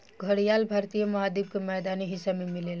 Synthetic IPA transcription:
ɡʱəɽijalbʱaɾt̪ijəməɦad̪ib̚kemɛd̪aniɦisːamemilel

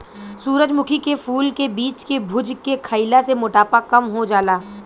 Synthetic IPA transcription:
suːɾəd͡ʒmʊkʰikefʰuːlkebiːt͡ʃkebʱʊd͡ʒkekʰəɪlasemʊʈaːpakɐmɦod͡ʒaːlaː

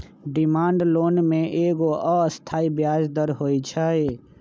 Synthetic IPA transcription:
ɖɪmãːɳɖloːnmẽʔeːɡoʔəəst̪ʰaːibjaːd͡ʒd̪əɾɦoːit͡ʃʰaːeː

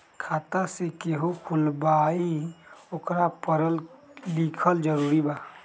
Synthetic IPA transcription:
kʰaːt̪asekeɦokʰulbaiokɾapəɾəllikʰəld͡ʒəɾuːɾibaː

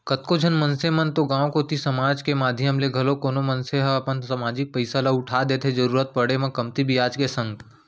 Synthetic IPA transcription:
kɐt̪kod͡ʒʱɐnmɐnsemɐnt̪oɡãːwkot̪isɐmaːd͡ʒkemaːd̪ʱjəmleɡʱɐlokoːnomənseɦəɐpənsɐmaːd͡ʒɪk̚pɐɪsalaʊʈʰad̪eːt̪ʰed͡ʒɐɾuːɾət̪̚pəɽemɐ̃kɐmt̪ibʱijaːd͡ʒkesɐ̃ŋɡ

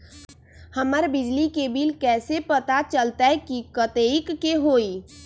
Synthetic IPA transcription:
həməɾbɪd͡ʒlikebilkɛːsepət̪at͡ʃəlt̪aɦɛkikət̪eikːeɦoːi

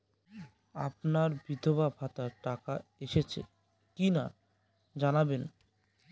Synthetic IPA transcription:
a̰pnaɾbid̪ʱobabʱat̪aɾʈakaeʃet͡ɕʰḛ | kina | d͡ʑanaben

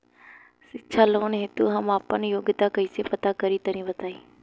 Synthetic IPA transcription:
sɪt͡ʃʰaloːnɦɪt̪uɦɐmaːpənjoːɡɪt̪akɐiːsepɐt̪akɐɾit̪ɐɾĩʋɐt̪aːiː

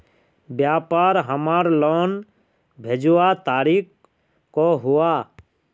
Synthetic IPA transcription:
bjaːpaːɾɦəmaːɾloːn | bʱed͡ʒʊwat̪aːɾiːk | koɦʊaː

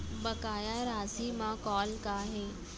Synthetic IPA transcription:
bɐkaːjaɾaːziːmãkɔːlkaɦeː

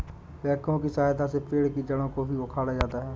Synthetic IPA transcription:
lɛːkõkisaːɦd̪asepeːɽkid͡ʒəɽõkobʱiokʰaːɽad͡ʒaːt̪aɦɛː

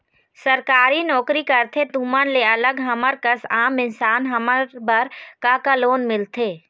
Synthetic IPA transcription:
səɾkaːɾinɔːkɾikɐɾt̪ʰet̪uːmənleɐləɡɦɐməɾkəsaːmɪnsaːnɦɐməɾbəɾkakaloːnmɪlt̪ʰeː

